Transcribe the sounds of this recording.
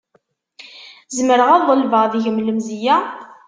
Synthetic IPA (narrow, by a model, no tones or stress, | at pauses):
zəməɾəʁɑðˤəlvəʁðiʝəmləmzijæ